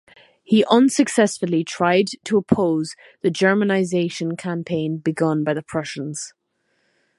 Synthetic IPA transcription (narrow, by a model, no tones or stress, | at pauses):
hiʔʌ̃nsəksɛsfəlˠitʰɹ̥aɪd̚tʰəːpʰoʊz | ðəd͡ʒɜ˞mənaɪzeɪʃə̃nkʰãmpʰẽɪ̃nbɪɡʌ̃nbaɪðəpʰɹ̥ʌʃə̃nz̥